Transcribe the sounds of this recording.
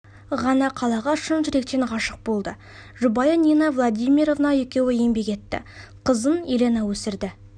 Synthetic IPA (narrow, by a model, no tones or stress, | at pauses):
ʁɑnɑqʰɑlˠɑʁɑʃʊnʒɪɾe̞k̚t̪enʁɑʃəq̚bo̞lˠd̪ə | ʒubɑjənʲinɑvlˠad̪ijmʲiɾo̞vnɑje̞kʲe̞wɪje̞mbe̞kʲe̞t̪ːɪ̰qʰəzənele̞nɑwɵsɪɾd̪ɪ